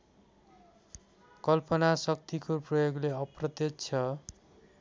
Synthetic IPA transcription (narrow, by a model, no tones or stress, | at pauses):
kʌlpʌnasʌk̚t̪ikoprʌjoɡleʌprʌt̪jett͡sʰʌ